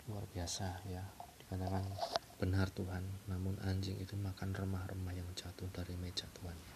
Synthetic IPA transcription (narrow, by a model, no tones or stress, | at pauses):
lua̰rbiasajad̥ikat̪akan | b̥ənart̪uɦanːamʊnʔaɲd͡ʒɪŋḭt̪umakanrəmahrəmahjaŋt͡ʃat̪ʊdaɾimet͡ʃat̪uɦana